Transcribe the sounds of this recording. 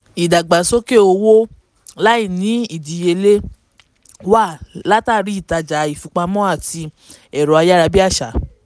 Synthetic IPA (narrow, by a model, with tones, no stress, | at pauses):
i˨da˨ɡ͡ba˨so˦ke˦o˧wo˦ | la˦i˦˨nĩ˨˦i˦˨di˨je˧le˦ | wa˦˨la˦ta˦˨˧ɾi˦i˦˨ta˧d͡ʒa˨i˨fu˨˧k͡pa˧mɔ̃˦a˦˨ti˧ | ɛ˨ɾɔ˨˦a˧ja˦ɾa˧bi˦a˦˨ʃa˨˦